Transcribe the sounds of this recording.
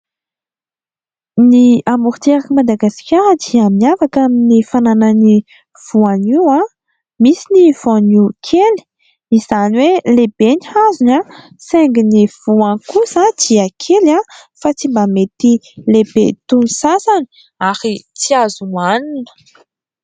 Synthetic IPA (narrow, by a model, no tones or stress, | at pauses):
niamuɾit̪eɾakəmad̪aɡasi̥kʲaɾəd̪iamafakaminifananəni | v̥uaniwa | misiniv̥oanikʰeli̥ | iz̥aniweleb̥eniazuna | seŋɡiniv̥uankusad̪̥iakʰelafat͡simbamet̪ilebet̪unisasani̥ | aɾit͡siazumaninə̥